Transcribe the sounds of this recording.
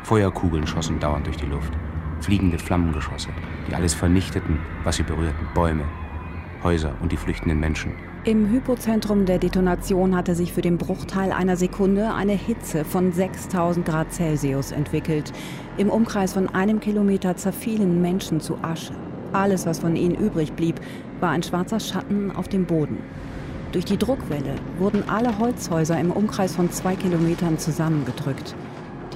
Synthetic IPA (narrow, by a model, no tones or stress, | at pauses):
fɔʏɐkʰuːɡl̩nʃɔsn̩d̥aʊɐntd̥ʊɐçd̥iːlʊftfliːɡŋ̩dəflamənɡəʃɔ̰snd̥iːʔa̰ləsfɛɐnɪçtətn̩vasz̥iːbəʁyːɐtn̩b̥ɔʏmə | hɔʏzɐ̰ʔʊ̰nt̚d̥iːflʏçtn̩dənmɛnʃn̩ | ʔɪmɦypot͡sɛntʁ̥ʊmdeːɐdetonat͡sjoːnhatəzɪçfyːɐdeːnbʁʊχtʰaɪlʔa̰ɪnɐzekʰʊndəʔa̰ɪnəhɪt͡səfɔnzɛkstʰaʊzn̩t̚ɡ̥ʁaːt̚t͡sɛlziʊsɛ̰ntv̥ɪkl̩t | ʔɪmʔʊmkʁ̥aɪsfɔnʔaɪnəmkʰilomeːtɐt͡sɛɐfiːlənmɛnʃn̩t͡sṵʔaʃə | ʔaləsv̥asfɔnʔiːnənʔyːbʁɪçb̥liːp | v̥aːɐaɪnʃv̥aɐt͡sɐʃatn̩ʔa̰ʊfd̥eːmboːdn̩ | d̥ʊɐçd̥iːdʁʊkv̥ɛləvʊɐdn̩ʔaləɦɔlt͡shɔʏzɐɪmʔʊmkʁ̥aɪsfɔnt͡sv̥aɪkilomeːtɐnt͡suzamənɡədʁʏkt